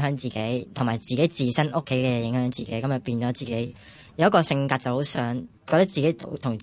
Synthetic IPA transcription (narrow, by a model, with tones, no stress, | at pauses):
œː˨˥ŋt͡siː˨ke˨˥jt̪ʰʊ˨˩ŋmaː˨˩jt͡siː˨ke˨˥jt͡siː˨˩sɐ˥nʔʊ˥kʰːe˨˥jkɛː˧jɪ˨˥ŋhœː˨˥ŋt͡siː˨ke˨˥jkɐ˨˥mjɐ˨t̚piː˧nt͡ʃɔː˨˥t͡siː˨ke˨˥j | jɐ˨˧wjɐ˥tkɔː˧sɪ˧ŋkaː˧t̚t͡sɐ˨who˨˥wsœː˨˥ŋkɔː˧t̪ɐ˥k̚t͡siː˨˩ke˨˥jt̪o̰˨˥wt̪ʰʊ˨˩ŋt͡s